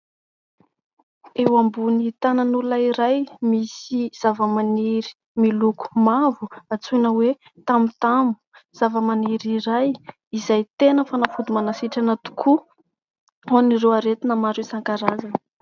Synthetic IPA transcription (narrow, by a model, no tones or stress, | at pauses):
ewambunit̪ananulaiɾajmisiz̥avəmaniɾi̥ | miluku̥mavuat͡sunəwe | t̪amut̪amu̥z̥avəmaniɾiɾaj | izajt̪enəfanafud̪umanasiʈ͡ʂanat̪u̥kʰu | onireaɾet̪inamaɾwesaŋkaɾazan